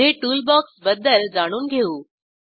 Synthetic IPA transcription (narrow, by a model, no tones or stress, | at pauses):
eʈuːlbɔːksbɐd̪əld͡zaːɽ̃uːnɪ̆ɡʱeuː